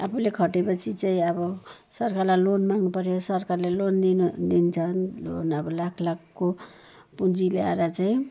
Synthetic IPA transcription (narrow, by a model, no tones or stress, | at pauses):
a̰pʰulekʰʌʈepʌt͡sʰit͡saĩʌbʌsʌɾkaɾlalonmaŋpʌɾosʌɾkaɾlelondidint͡sʰʌnlo̰nʌbʌlakʰlakʰko | pund͡zilea̰ɾat͡saĩ